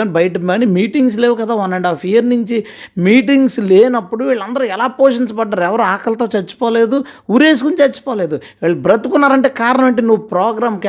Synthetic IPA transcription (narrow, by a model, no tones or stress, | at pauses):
anbɐjɐʈɐmɐnimiːʈiŋɡs̬leːʋukɐd̪aːʋɐnːɐɳɖaːpʰijɐɾnuɲt͡ʃi | miːʈiŋɡsleːnɐpːuɽuʋiːɭːɐnd̪ɐɾɐɛlaːpoːʂiɲt͡ʃɐpɐɖːaːɾuɛʋɐɾuaːkɐlɐt̪oːt͡ʃɐɾt͡ʃːu̥pɔːle̞ːd̪uuːɾeːs̬ukunt͡ʃt͡ʃɐt͡ʃːu̥pɔːle̞ːd̪uʋiːɭːɐbɾɐt̪ːukunːaːɾɐɳʈe̞ːkaːɾɐnɐmɐɳʈeːnuʋːupɾɔːɡɾaːmk